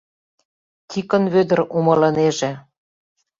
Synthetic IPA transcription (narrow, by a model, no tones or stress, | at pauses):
t̪ʲikə̆nβød̪ə̆ɾumɤ̆lɤ̆neʒĕ